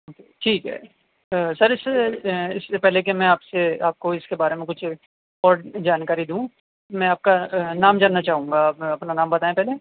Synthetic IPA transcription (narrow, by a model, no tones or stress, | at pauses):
oːkeʈʰiːkɦɛ̰ː | sɐɾɪseɪsepɛɦlekemɛ̃aːpseaːp̚koɪskebaːɾemẽkʊt͡ʃʰ | ɔːɾɖd͡ʒaːnkaːɾid̪ũː | mɛ̃ːaːp̚kanaːmd͡ʒaːnːat͡ʃaːɦũːŋɡaːpɐpnanaːmbɐt̪aːẽpɛɦle